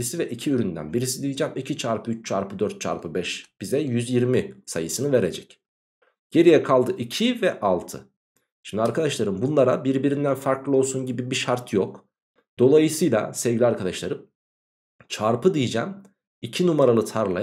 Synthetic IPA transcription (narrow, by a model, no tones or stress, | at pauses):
isivɛʔicʰiyɾynd̪æ̰nbiɾis̬id̪ijid͡ʒɛːmicʰit͡ʃʰaɾpʰɯyt͡ʃt͡ʃʰa̰ɾpɯd̪øɾt̪̚t͡ʃʰa̰ɾpʰɯbɛʃb̥izɛjyzjiɾmisa̰jɯsɯnɯve̞ɾed͡ʒɛc | ɟ̥e̞ɾijɛkʰalˠd̪ɯʔicʰivɛʔalˠt̪ʰɯ̰ | ʃi̥md̪iaɾkad̪aʃlˠaɾɯmbunlˠaɾabiɾbiɾind̪ænfaɾklˠɯo̞lˠsunɟibibiʃaɾt̪jok | d̪̥o̞lˠajɯsɯjlˠa̰sevɡɟilʲiaɾkʰad̪aʃlˠaɾɯm | t͡ʃʰaɾpʰɯd̪ijd͡ʒɛ̰m | icʰinumaɾalˠɯt̪ʰaɾlˠa